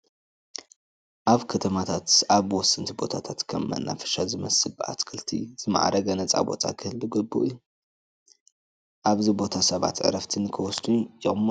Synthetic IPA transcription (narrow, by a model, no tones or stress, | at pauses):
ʔaβkʰɐt̪ʰɐmat̪ʰat̪aβwɔsɨnt̪ʰibo̞t̪ʰat̪ʰat̪kʰɐmːɐ̰nːʔa̰fɐ̥ʃazɨmɐsɨla̰t̪kʰɨlt̪ʰḭz̥ɨma̰ʕɾɐɡɐnɐt͡sʼa̰bo̞̰t̪ʼa̰kʰɨhlbuɡɨbːṵʔɨjːu | ʔaβzibo̞t̪ʰasɐβa̰t̪ʕɨ̰ɾɐft̪ʰɨnkʰɨwɔsd̪ujɪχʼmːo